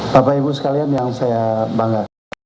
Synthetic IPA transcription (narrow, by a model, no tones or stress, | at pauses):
papaibus̬ə̥kalianjaŋsajabaŋɡa